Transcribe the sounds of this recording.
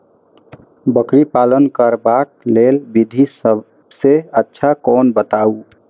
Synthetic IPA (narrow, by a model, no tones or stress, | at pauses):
bəkɾipalənkəɾbak̚lelbid̪ʱisə | bseətːʃʰakɔnbət̪au